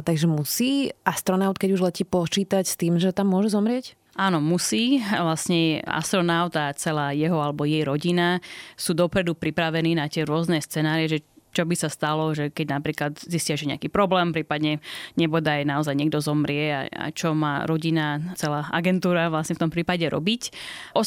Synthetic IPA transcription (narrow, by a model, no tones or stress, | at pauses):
t̪aɡʒɛmusiːʔast̪ɾɔnaʊt̪̚kɛɟuʒlɛciːpɔt͡ʃiːt̪acst̪iːmʒɛt̪amːʊɔʒɛzɔmɾɪɛc | ʔaːnɔmusiːʋlasɲɛa̰st̪ɾɔnaʊt̪at͡sɛlaːjɛɦɔalɛbɔjɛjɾɔɟinasuːd̪ɔpɾɛd̪upɾipɾaʋɛniːnat̪ɪɛɾʊɔznɛst͡sɛnaːɾiɛʒɛt͡ʃɔbisast̪alɔʒɛkɛɟnapɾiːklat̪zisciaʒɛɲɛakiːpɾɔblɛːmpɾiːpad̪ɲɛɲɛbɔd̪ajnaɔzajɲɛɡ̚d̪ɔzɔmɾɪɛa̰a̰t͡ʃɔmaːɾɔɟinat͡sɛlaːʔa̰ɡɛnt̪uːɾaʋlasɲɛft̪ɔmpɾiːpaɟɛɾɔ̰bic | ʔɔ